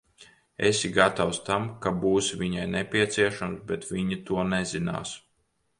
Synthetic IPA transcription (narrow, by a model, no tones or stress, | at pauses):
ḛsʲiɡat̪awst̪amkabuːsviɲajnɛpʲiɛt̪siɛʃamsbɛt̪viɲit̪uɔnɛzina̰ːs